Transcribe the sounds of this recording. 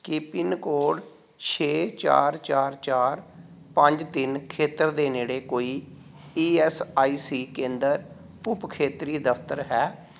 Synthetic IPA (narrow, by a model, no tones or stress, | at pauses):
kipɪnkoːɖ | t͡ʃʰeːt͡ʃa̰ːɾt͡ʃaːɾt͡ʃaːɾ | pə̃ɲd͡ʒt̪ɪnkʰeːt̪əɾd̪eːneːɽeːkoːiː | iːɛːsaːiːsiːkẽːnd̪əɾ | ʊpkʰeːt̪ɾiːd̪əpʰt̪əɾɦɛː